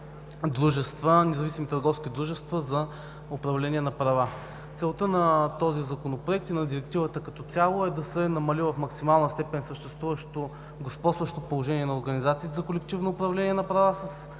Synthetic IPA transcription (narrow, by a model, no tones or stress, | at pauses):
d̪ɾuʒɛst̪vənɛzɐvisimit̪ɐɾɡɔfskʲid̪ɾuʒɛst̪vəzɐ | ʊpɾɐvlɛnʲiɛnɐpɾɐva | t̪sɛlˠt̪ənɐt̪ɔzizɐkonopɾoɛk̚t̪inɐd̪iɾɛk̚t̪ivət̪əkɐt̪ɔt̪sʲalˠoɛd̪ɐsɛnɐmɐlivɐfmɐksimalˠnəst̪ɛpɛnsəʃt̪ɛst̪vuvəʃt̪o | ɡospɔsvɐʃt̪opolˠoʒɛniɛnɐoɾɡɐnizat̪siːt̪ɛzɐkolɛkt̪ivnoːpɾɐvlɛnʲiɛnɐpɾɐvasɐs